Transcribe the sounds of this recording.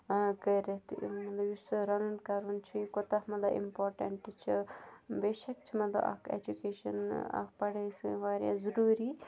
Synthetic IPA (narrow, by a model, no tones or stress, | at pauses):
kəɾet̪mɐt̪lɐbjusɾɐnɐnkɐɾunt͡ʃʰikot̪ɐɦmɐt̪lɐbḭmpoːɾʈɐɳʈt͡ʃʰibeːʃɐk̚t͡ʃʰimɐt̪lɐ̰bɐ̰kʰḛd͡ʒukeːʃɐ̰na̰kpɐɽesɨʋaːɾʲjã̰ːzuɾuːɾi